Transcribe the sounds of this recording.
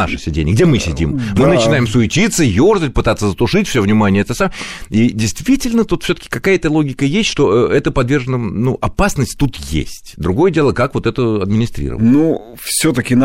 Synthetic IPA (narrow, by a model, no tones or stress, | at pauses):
a̰ʂəsʲɪdʲḛnʲɪəɡdʲemɨsʲɪdʲḭmmɨnət͡ɕɪnajɪmsʊɪtʲit̪səjorzət̚ʲpɨt̪at̪sːəzət̪ʊʂɨtʲfsʲovnʲɪmanʲɪjəɛt̪əsamidʲɪjst̪vʲitʲɪlʲnət̪ut̪fsʲot̪ə̥kʲɪ̥kɐkajəɛt̪əlˠo̞ɡʲɪkəjesʲtʲʂt̪o̞əʔɛt̪əpɐd̪vʲe̞rʐənənuʔɐpasnəsʲtʲt̪ut̪jḛsʲtʲd̪ɾʊɡo̞jədʲe̞lˠəkakvo̞t̪ɛt̪əɐd̪mʲɪnʲɪst̪ɾʲḭɾə̰v̰ənu | fsʲot̪əkʲɪn